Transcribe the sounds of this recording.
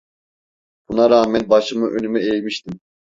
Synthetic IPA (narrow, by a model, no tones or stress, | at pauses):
b̥unaɾaːmɛnbɑʃɯmɯʔønymɛejmiʃt̪im